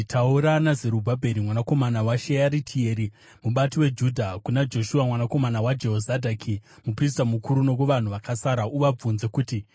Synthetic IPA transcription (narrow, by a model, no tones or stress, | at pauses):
tʰauɾanazeɾubʱabʱe̞ɾimwanako̞manawaʃejaɾitʰie̞ːɾi | muɓatiwe̞d͡ʒudʱakunad͡ʒo̞ʃuamwanako̞manawad͡ʒe̞ɦo̞zadʱakʰimupris̬tamukuɾuno̞kuʋan̤uʋakasaɾauʋab͡vunze̞kuti